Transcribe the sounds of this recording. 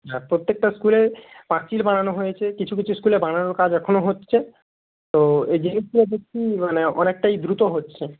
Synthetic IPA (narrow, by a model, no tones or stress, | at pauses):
ɦɛpɾot̪ːek̚ʈaskulepaɾt͡ɕilbaɽ̃anoɦojet͡ɕʰekit͡ɕʰuk̬it͡ɕʰuskulebaɽ̃anoɾkad͡ʑɛkʰonoɦotːɕʰe | t̪oed͡ʑeniskuled̪ekːʰimaneɔ̰nek̚ʈajd̪ɾut̪oɦotːɕʰe